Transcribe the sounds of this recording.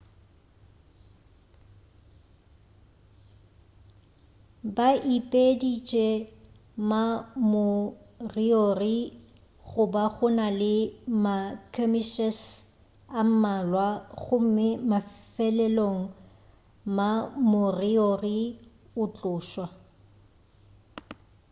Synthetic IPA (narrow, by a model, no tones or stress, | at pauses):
baʔipʼedit͡ʃʼɛ | mamʊriori | ɣʊbaɣʊnalɪmakʰɔmiʃɛs | am̩malwaɣʊm̩mɪmafɛlɛloŋ̩ | mamʊriori | ʊt͡ɬʼʊːʃwa